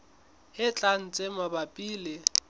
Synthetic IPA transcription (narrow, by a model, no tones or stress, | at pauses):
hɪt͡ɬʼan̩t͡sʼemabapʼiːlɪ